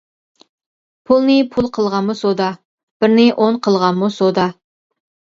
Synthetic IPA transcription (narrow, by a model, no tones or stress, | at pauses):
pʰulˠnɨpʰulˠqʰəlˠʁɑnmusod̪ɑ | b̥ɪɾnɪʔoɴqʰəlˠʁɑnmusod̪ɑ